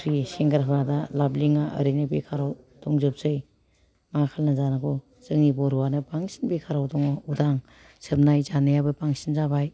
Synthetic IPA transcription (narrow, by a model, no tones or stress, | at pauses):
ɾiseŋɡaɾɦawnadalabliŋaʔə̰ɾinɯbekʰaɾaw | dɔŋzɯp̚zɯj | makʰalnazanakʰɔ | z̥ɯŋnibɔɾuwanɯbaŋsinbekʰaɾawdɔŋɔudaŋ | sɯp̚najzanɯjabɯbaŋsinzabaj